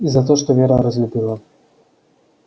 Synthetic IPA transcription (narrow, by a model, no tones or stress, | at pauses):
izat̪ɔʂt̪ɔvʲjɛɾaɾɔzlʲubʲilˠa